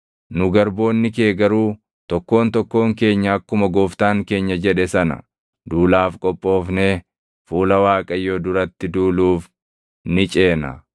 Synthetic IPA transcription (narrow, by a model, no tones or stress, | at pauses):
nʊɡɐɾbo̞ːnːɪke̞ːɡɐɾuː | t̪ɔkːo̞ːnt̪ɔkːo̞ːŋke̞ːɲːɐɐkːʊmɐɡoːft̪aːŋke̞ːɲːɐd͡ʒɛᶑɛsɐnɐ̰ | d̪uːlaːfkʼɔpʼːo̞ːfneː | fuːlɐwaːkʼɐjːoːd̪ʊɾɐt̪ːɪd̪uːluːf | nɪt͡ʃʼe̞ːnɐ̰